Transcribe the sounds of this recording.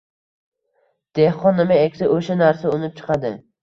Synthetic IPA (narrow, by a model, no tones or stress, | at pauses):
d̪̥ehqɒnːɪmaekʲsaʔoʃanaɾsaʊnɪp̚t͡ʃʰɨ̥qʰɑd̪ɪ